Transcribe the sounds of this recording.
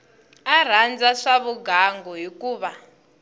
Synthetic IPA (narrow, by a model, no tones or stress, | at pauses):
ar̤and͡zaʂaβuɡaŋɡɔɦikuːβa